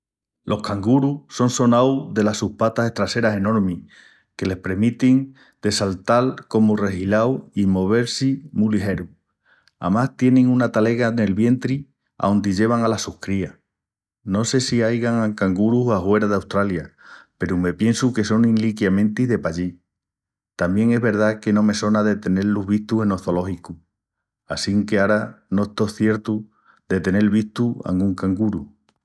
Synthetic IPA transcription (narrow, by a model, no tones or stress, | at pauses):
lʔo̞hkaŋɡuɾuso̞nso̞nawðe̞lasuhpat̪ase̞ht̪ɾase̞ɾase̞no̞ɾmi | ke̞le̞hpɾe̞ɾmit̪iŋ | d̪̥e̞salt̪alko̞more̞hilawimo̞β̞e̞ɾsimuliɦe̞ɾu | a̰mast̪je̞nẽŋũnat̪ale̞ɣane̞lβje̞nt̪ɾi | a̰wnd̪iʎe̞β̞aŋalasuhkɾia | no̞se̞siajɣaŋaŋkaŋɡuɾuɦahwe̞ɾaðawst̪ɾaljape̞ɾume̞pje̞nsuke̞so̞ŋĩnlikjamẽ̞nt̪iðe̞paʎi | t̪ambje̞ŋe̞ɦβe̞ɾð̞ake̞nõ̞me̞so̞naðe̞t̪e̞ne̞ɾluɦβ̞iht̪uhe̞no̞θo̞lo̞hiku | asiŋkeaɾano̞ehst̪o̞θje̞ɾt̪u | d̪e̞t̪e̞ne̞lβiht̪ua̰ŋɡuŋkaŋɡuɾu